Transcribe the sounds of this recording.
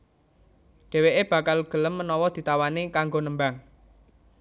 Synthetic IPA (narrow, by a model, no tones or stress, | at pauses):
ɖ̥ɛ̤weʔeb̥ä̤kalɡ̥ə̤ləmːənɔwɔd̪̥i̤t̪awanekaŋɡonəmbaŋ